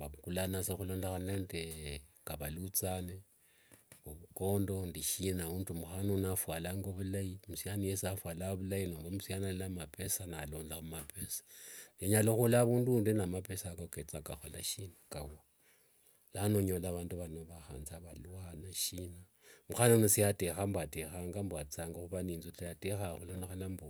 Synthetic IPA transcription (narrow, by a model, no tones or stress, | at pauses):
baβukulanasaxuloːndaxanandekaβalut͡sane | uβukoːndo̞ndiʃinauntumuxanonafwalaŋɡoβulajimusjanijesiafwalaβulainombomusianalamapesanaloːnlaumapʰesḁeɲaloxulaβuːnduːndenamapesakoket͡sakaxola̰ʃinakaβa | lanoɲolaβaːnduβanoβaxa̰ːnzaβaluanaʃina | muxanonisijatexambwatexaːŋɡambwat͡saŋɡoxuβaniːnzotajatexaxulanoxalambo